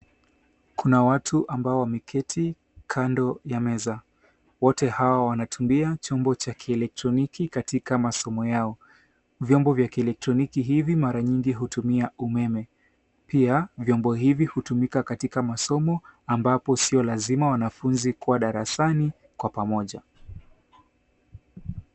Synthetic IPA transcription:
kunawatʰuʔambaɔwamɛkʰɛtʰi | kʰandɔjamɛza | wɔtɛhawawanatumbiat͡ʃɔmbɔt͡ʃakʰiɛlɛk̚tɾɔnikikatikamasɔmɔjaɔ | vjɔmbɔvjakiɛlɛk̚tɾɔnikiɦivimaɾaɲiŋɡiɦutumiaumɛmɛ | piavjɔmbɔɦivihutumikakatikamasɔmɔambapɔsiɔlazimawanafunzikuwaɗaɾasani | kwapamɔʄa

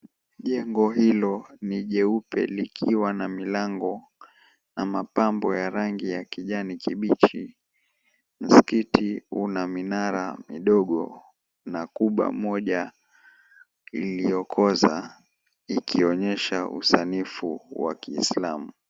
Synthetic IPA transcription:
ʄɛŋɡɔɦilɔniʄɛupɛ̰likʰiwanamilaŋɡɔ | namapambɔjaɾaŋɡijakiʄanikiɓit͡ʃi | m̩skitiunaminaɾa̰miɗɔɠɔ | nakuɓwa̰mɔʄa | ilijɔkʰɔza | ikʰiɔɲɛʃaʔṵsanifuwa̰kiːslamu

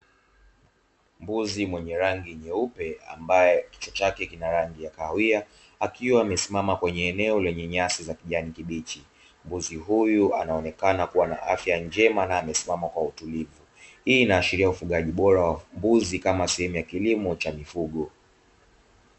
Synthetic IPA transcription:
mbuzimwɛɲɛɾaŋɡiɲɛupɛa̰mbajɛki̥t͡ʃɔt͡ʃakɛkinaɾaŋɡijakawia | akiwaːmɛsimamakwɛɲɛːnɛɔlɛɲɛɲasizakiʄanikiɓit͡ʃi | mbuziɦujua̰naɔnɛkanakuwana̰ʔafjaɲd͡ʒɛmanaːmɛsimamakwautulivu | hiːnaːʃiɾiaufuɠaʄiɓɔɾawambuzikamasɛhɛmujakilimɔt͡ʃamifuɠɔ

